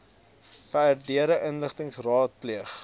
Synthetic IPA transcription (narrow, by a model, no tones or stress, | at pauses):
fæːrdiəɾəʔənləχtəŋsrɑːt̚pliəχ